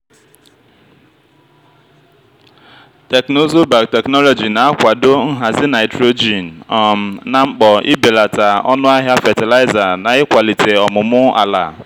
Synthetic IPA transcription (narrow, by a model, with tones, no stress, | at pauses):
te˨kno˦zo˦ba˨k̚te˨knɔ˦lɔ˨d͡ʒi˨na˨a˦kʷa˨do˦ŋ̩˦ɦa˨zɪ˦na˨ɪ˨tɾo˦d͡ʒi˨n̩˨ɔ˨m̩˨na˨ŋ͡m̩˦k͡pɔ˨ɪ̰˦be˨la˨ta˨ɔ̰˦nʊ˦a˦ɦja˦fɛ˨ti˨la˦ɪ˦za˨na˨ɪ˦kʷa˨li˨te˨ɔ˨mʊ˨mʊ˦a̰˨la̰˨